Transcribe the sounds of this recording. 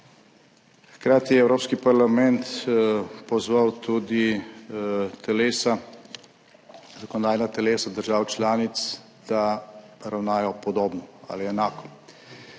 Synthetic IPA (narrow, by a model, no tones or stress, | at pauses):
xkɾaːt̪ijɛwɾoːpskipaɾlamɛnt̪ | pɔzʋawt̪ud̪i | t̪ʰɛleːsa | zakɔnɔd̪aːjnat̪ɛleːsad̪əɾʒaːwt͡ʃlaːnit̪s | d̪̥aɾawnaːjɔpɔd̪oːbnɔa̰liɛnaːkɔ̥